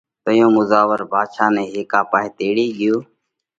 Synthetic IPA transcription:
t̪əjõːmʊzaːʋəɾbʱaːd̪ʃaːnẽːɦeːkaːpaːɦeːt̪eːɽiːɠɪjoː

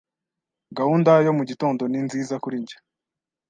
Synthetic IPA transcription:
ɡahuːndajo̞muɟito̞ːndo̞ninziːzakuɾiɲɟḁ

